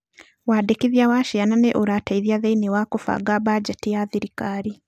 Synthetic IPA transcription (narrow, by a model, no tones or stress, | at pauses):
wadekiðjawaʃiananeʔoɾataiðjaðeinewakofa̰ɡaβaɟetijaθiɾikaːɾi